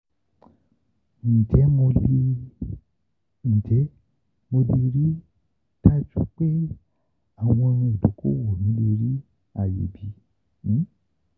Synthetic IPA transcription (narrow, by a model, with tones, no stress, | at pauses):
n̩˨tɛ˨˦mo˧li˦ | n̩˨d͡ʒɛ˨˦ | mo˧di˧ɾi˦ | ta˦d͡ʒṵ˦k͡pe˦ | a˦˨w̃ɔ̃˧nũ˧o˨lo˨˦kʰo̰˦wo˨nĩ˨˦li˧ɾi˦ | a˦˨jḛ˨bĩ˨˧˦